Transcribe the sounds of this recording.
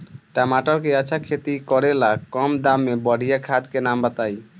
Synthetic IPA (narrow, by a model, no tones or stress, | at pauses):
ʈamaʈɔkeəːt͡ʃʰakʰet̪ikɔɾelakɔmd̪amːebəɽ̤ijakʰad̪kenambət̪aj